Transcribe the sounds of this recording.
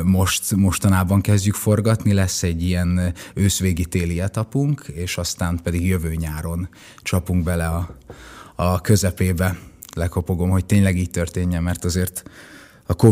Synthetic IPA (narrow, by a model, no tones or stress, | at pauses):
mo̞ʃt̪mo̞ʃt̪ɒnaːbɒŋkɛzɟykfo̞rɡɒt̪nilɛsːɛɟːijɛnøːsʋeːɡit̪eːlijɛt̪ɒpuŋkʰeːʃɒst̪aːmpɛd̪iɡjø̞vøːɲaːɾo̞n | t͡ʃɒpuŋɡ̚bɛlɛɒ | ɒkø̞zɛpeːbɛlɛko̞po̞ɡo̞mho̞c̚t̪eːɲlɛɡiːc̚t̪ørt̪eːɲːɛmːɛrt̪ɒzeːrt̪ | ɒko